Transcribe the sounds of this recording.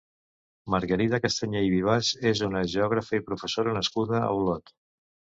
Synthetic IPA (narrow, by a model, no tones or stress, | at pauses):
məɾɣəɾit̪əkəst̪aɲeiβiβ̞azezunəʒəɔɣɾəfəipɾufəsoɾənəskuðəə̰wlɔt̪